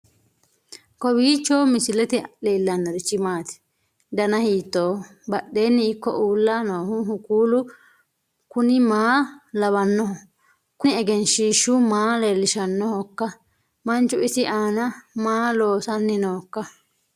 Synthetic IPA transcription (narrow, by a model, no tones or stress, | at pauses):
kɔbiːt͡ʃːo̞ːmɪsɪlɛt̪ɪeːlːɐnːɐɾɪt͡ʃːɪmaːt̪ɪ̥ | d̪ɐnɐhiːt̪ːoː | bɐɗːe̞ːnːɪɪkːɔ̰ʔuːlːaːno̞ːhʊɦʊkuːlʊ | kʊnɪmaːlɐβɐnːɔɦɔ | kʊnɪɛɡɛnʃiːʃːʊmaːleːlːɪʃɐnːɔhɔkːɐ | mɐnt͡ʃːʊɪsɪʔaːnɐmaːloːsɐnːɪnoːkːɐ